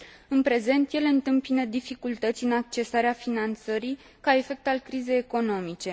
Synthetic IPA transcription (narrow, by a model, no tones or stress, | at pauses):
ɨnpɾe̞ze̞nt̪je̞leɨnt̪ɨmpinəd̪ifikult̪ət̪sʲɨnak̚t͡ʃe̞saɾeafinant̪səɾij | kae̞fe̞k̚t̪alkɾize̞jeko̞no̞mit͡ʃe̞